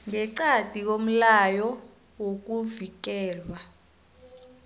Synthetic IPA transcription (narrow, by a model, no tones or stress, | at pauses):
ŋɛǀad̥ʱik̬om̩lajɔ | wok̬uvik̬ɛːlwa